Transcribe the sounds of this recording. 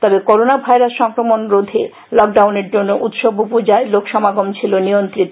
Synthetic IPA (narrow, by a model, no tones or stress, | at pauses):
t̪ɔbekoɾonabʱajɾasʃɔŋkɾomonɾod̪ʱe | lɔk̚ɖawneɾd͡ʑonːoʔut̪ʃobupod͡ʑaelokʃɔmaɡomt͡ɕʰilonijont̪ɾit̪ː